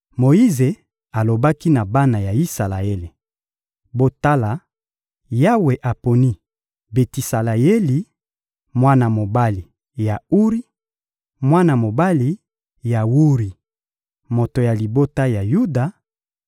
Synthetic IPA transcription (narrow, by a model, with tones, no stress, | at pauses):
mo˨i˦ze˨ | a˨lo˨ba˦ki˦na˨ba˦na˨ja˨i˦sa˨la˨e˦le˨ | bo˦ta˦la˨ | ja˦we˨ʔa˨po˨ni˦ | be˨ti˨sa˨la˨e˦li˨ | mwa˦na˨mo˨ba˦li˨ | ja˨u˦ʁi˦ | mwa˦na˨mo˨ba˦li˨ | ja˨wu˦ʁi˨ | mo˨to˨ja˨li˨bo˦ta˦ja˨ju˦da˨